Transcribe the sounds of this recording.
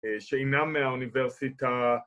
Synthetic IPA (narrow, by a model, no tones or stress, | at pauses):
ʃeenameauniveʁsita